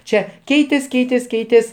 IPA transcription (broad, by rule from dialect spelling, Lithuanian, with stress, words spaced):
ˈt͡ʃʲɛ ˈkʲɛɪtʲeːs ˈkʲɛɪtʲeːs ˈkʲɛɪtʲeːs